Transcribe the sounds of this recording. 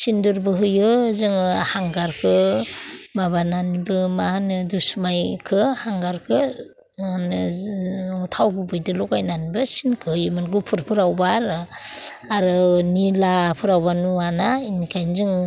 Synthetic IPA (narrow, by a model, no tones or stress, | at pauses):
sindɯɾbɯɦɯjɯzɯŋhaŋɡaɾkʰɯ | mabananibɯmahnɯdusmajkʰɯhaŋɡaɾkʰɯ | nɯ | utʰawɡubɯjdɯlɔkajnanibɯsinkʰɯhɯjɯmɯnɡupʰɯɾpʰɯɾawbaɾ | aɾɯnilapʰɯɾawbanuanainikʰajnzɯŋ